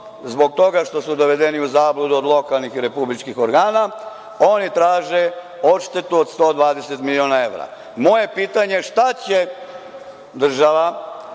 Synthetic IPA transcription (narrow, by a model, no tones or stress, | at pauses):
zbo̞ɡ̚t̪o̞ɡaʃt̪o̞sud̪o̞ʋe̞d̪eniuzaːblˠud̪uod̪lˠo̞kalˠnixiɾe̞publit͡ʃkixo̞ɾɡaːna | o̞nit̪ɾaːʒe̞ | o̞ʃt̪et̪uod̪st̪o̞ːd̪ʋaːd̪e̞set̪milio̞ːnae̞ʋɾa̰ | mo̞je̞piːt̪aɲeʃt̪at͡ɕe | d̪r̩ʒaʋa